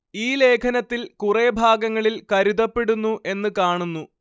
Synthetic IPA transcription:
iːle̞ːkʰɐnɐt̪ːilkurebʱaːɡɐŋːɐɭilkɐɾuðɐpːe̞ɽunːuʔe̞nːɨkaːɳunːu

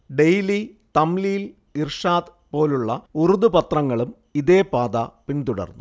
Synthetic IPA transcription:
ɖejli | t̪ɐmlijil | irʂaːd̪ | po̞ːluɭːɐuruðupɐt̪rɐŋːɐɭum | iðeːpaːd̪ɐpint̪uɽɐ̰rnːu

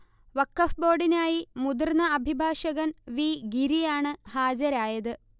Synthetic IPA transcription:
ʋɐkːɐfbo̞ːɖinaːjimud̪urnɐɐbʱibʱaːʂɐɣɐnʋiːɡiɾijaːɳɨhaːd͡ʑɐɾaːjɐðɨ

